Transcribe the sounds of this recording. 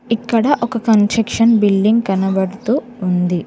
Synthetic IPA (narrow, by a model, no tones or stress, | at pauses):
ikːɐɽɐʔɔkɐkɐnʈɾɐkʂɐnbilɖiŋɡ̚kɐnɐbɐɽut̪uːnd̪i